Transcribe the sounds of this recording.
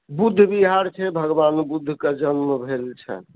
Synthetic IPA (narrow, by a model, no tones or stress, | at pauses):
bud̪ʱːbiɦaɾt͡ʃʰɛbʱəɡbanbud̪ʱːked͡ʒənməbʱelt͡ʃʰɛ̰